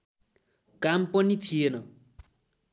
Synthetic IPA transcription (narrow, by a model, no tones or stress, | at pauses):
kampʌnit̪ʰijenʌ